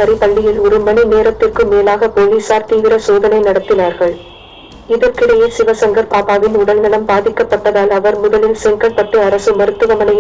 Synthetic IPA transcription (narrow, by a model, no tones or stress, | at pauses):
ɐɾɪpɐɭːɪjɪlɔɾɯmɐɳineːɾɐt̪ːɪrkɯmeːlaːɣɐpoːliːsaːɾt̪iːʋɪɾɐsoːðɐnɐɪnɐɽɐt̪ːɪnaːɾɣɐɭ | ɪðɐɾkɪɽɐjɪsɪʋɐsɐŋɡɐɾpaːpaːʋɪnʊɽɐlnɪlɐmbaːðɪkːɐpːɐʈːɐðaːlɐʋɐɾmʊðɐlɪlsɛŋkɐɭpɐʈːɯɐɾɐsɯmɐɾɯt̪ːɯʋɐmɐnɐj